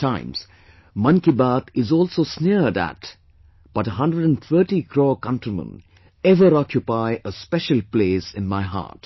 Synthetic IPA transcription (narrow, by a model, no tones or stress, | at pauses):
tãɪ̃ms | mʌ̃nkibaːt̪ɪzɔːlsoːsniəɾɖæ̰t | b̥ʌʈəɦʌ̃ndɾəɖæ̃nt̪ʰəːʈikʰɾɔːkʌ̃ntəmə̰̃n | ɛʋəɾɑkjupaɪʔəspɛʃəlpleːsɪ̃nmaɪɦa̰ːʈ